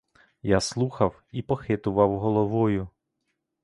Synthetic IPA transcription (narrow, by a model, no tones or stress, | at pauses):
jaslˠuxɐw | ipɔxɪt̪ʊʋɐwɦɔlˠɔʋɔjʊ